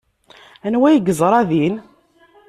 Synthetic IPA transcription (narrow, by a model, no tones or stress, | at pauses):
ænwæjəɡəzˤɾˤɑðin